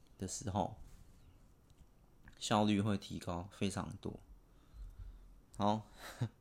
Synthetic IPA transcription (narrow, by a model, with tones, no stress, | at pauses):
d̪̥ə˨ʂɻ̩˨˧˥xo˥˨ʊ | ɕjɑ˥˧ʊly˥˧xwe˥˨ɪt̪ʰi˧˦kɑ˦ʊfe˦˥ɪʈ͡ʂʰɑ̰˧˥ŋt̪wo̰˥ | ha˨˦